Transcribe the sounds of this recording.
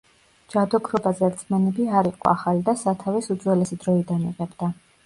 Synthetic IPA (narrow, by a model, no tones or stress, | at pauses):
d͡ʒad̪ɔkʰɾɔbazɛɾt̪sʰmanɛbiaɾiqʼɔ̰aχalid̪asat̪ʰavisud̪zwɛlɛsid̪ɾɔid̪anḭʁɛbd̪a